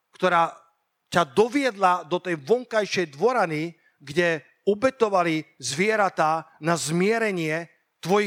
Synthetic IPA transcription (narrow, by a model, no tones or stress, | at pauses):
kt̪ɔɾaː | cad̪ɔʋɪɛd̪lad̪ɔt̪ɛjʋɔŋkajʃɛjd̪ʋɔɾani | ɡɟɛ | ɔbɛt̪ɔʋalizʋɪɛɾat̪aːnazmɪɛɾɛɲɪɛ | t̪ʋɔji